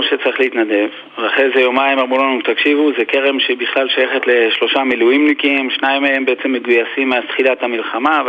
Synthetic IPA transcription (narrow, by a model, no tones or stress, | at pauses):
ʃet͡saʁiχleit̪nad̪e̞v | veaχezejo̞maimamʁulanut̪akʃivuzekeʁe̞mʃeibiχlalʃajeχet̪le̞ʃlo̞ʃamilujimnikimʃnaimaembeet͡se̞mːe̞ɡujasimːeasχilat̪hamilχama